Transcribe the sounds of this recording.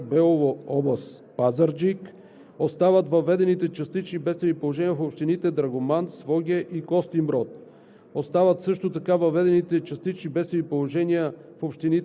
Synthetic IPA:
bɛlˠovoɔbəs | pazəɾd͡ʒik | ost̪avət̪vɐvɛd̪ɛnit̪ɛt͡ʃɐst̪it͡ʃnibɛtst̪vɛnipolˠoʒɛniəfopʃt̪init̪ɛd̪ɾɐɡomansvɔɡʲɛʔikɔst̪imbɾɔt̪̚ | ost̪avət̪sɤʃt̪ot̪ɐkavɐvɛd̪ɛnit̪ɛt͡ʃɐst̪it͡ʃnibɛt̪st̪vɛnipolˠoʒɛniəfopʃt̪init̪

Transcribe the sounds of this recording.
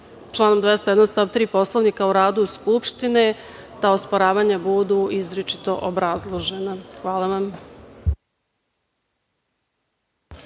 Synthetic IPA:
t͡ʃlˠaːnomd̪ʋest̪jed̪anst̪aʋt̪ɾiːpo̞slˠoʋnikauɾaːd̪uskupʃt̪ine | t̪aospoɾaːʋaɲabud̪uizɾet͡ʃi̥t̪o̞ʔobɾazlˠoʒenaxʋaːlˠaʋam

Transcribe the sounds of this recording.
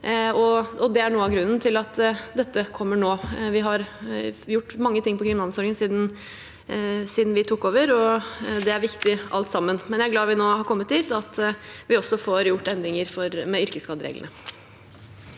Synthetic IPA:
ɔɔd̪ɛæɳuːəɑʋɡɾʉnːn̩t̪ʰɪlɑt̪d̪ɛt̪ːəkʰɔmːəɳoːʋɪɦɑɾjʊʈːmɑŋːət̪ʰɪŋːpɔkʰɾɪmnɑnsɔɾɡənsiːd̪n̩ | siːd̪n̩ʋɪt̪ʰʊkːoːʋəɾɔd̪ɛæɾʋɪkt̪ɪʔɑlt̪sɑmːənmɛnjææɾɡlɑːʋɪnoːhɑɾkʰɔmːət̪d̪iːt̪ɑt̪ʋɪɔsːɔfoɾjʊʈːɛnd̪ɾɪŋəɾfɔɾmɛʏɾkəskɑːd̪əɾḛːɡlə̰nə

